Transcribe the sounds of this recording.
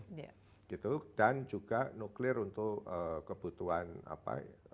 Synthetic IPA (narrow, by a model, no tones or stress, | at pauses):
ɡ̥it̪ud̥and͡ʒuɡ̥anuklɪrunt̪ʊəkːəb̥ut̪uɦana̰pa̰